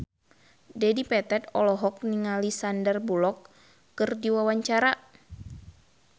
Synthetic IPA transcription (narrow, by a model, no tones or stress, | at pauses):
dɛdipɛt̪ɛt̪ɔlɔɦɔk̚niŋalisandərbulɔkː | ɨrdiwawaɲt͡ʃaɾa